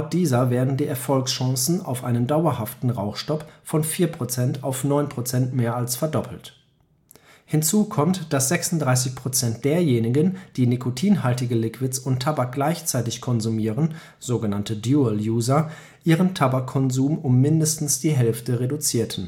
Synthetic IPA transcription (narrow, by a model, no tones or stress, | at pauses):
aʊt̚d̥iːzɐveːɐdn̩diːʔɛɐfɔlksʃɔ̃ŋsn̩a̰ʊfʔaɪnəndaʊɐhaftn̩ʁaʊxʃtɔpfɔnfiːɐpʁ̥ot͡sɛntʰaʊfnɔʏnpʁ̥ot͡sɛntmeːɐalsfɛɐdɔpʰl̩t | hɪnt͡suːkʰɔmtd̥asz̥ɛksʊntd̥ʁaɪs̬ɪçpʁ̥ot͡sɛnt̚d̥eːɐjeːnɪɡənd̥iːnikʰotʰiːnɦaltɪɡəlɪkʰv̥ɪtsʊntʰabak̚ɡ̥laɪçt͡saɪtɪçkʰɔnzumiːʁən | z̥oːɡənantədjuːəljuːzɐ | ʔiːʁəntʰabakʰːɔnzuːmʊmːɪndəstn̩sd̥iːɦɛlftəʁedut͡siːɐtʰn̩